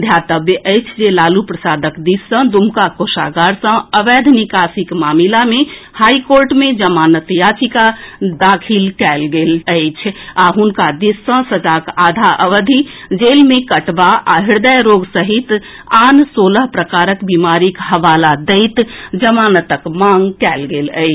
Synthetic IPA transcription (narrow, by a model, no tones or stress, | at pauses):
d̪ʱjat̪əbjəʔəjt͡ʃʰd͡ʒelalupɾəsad̪əkd̪isːə̃d̪umkakosa̰ɡaɾsə̃əʋɛd̪ʱnikasikmamilame | haikoɾʈmed͡ʒəmanət̪jat͡ʃikad̪akʰilkɛlɡeləɪt͡ʃʰaɦunkad̪isːə̃səd͡ʒakad̪ʱaʔəʋəd̪ʱid͡ʒelmekəʈbaa̰ɦiɾd̪əjɾoɡsəɦit̪ansoləɦpɾəkaɾəkbimaɾikɦəʋalad̪əɪt̪d͡ʒəmanət̪əkmãŋɡkɛlɡelə̰ɪ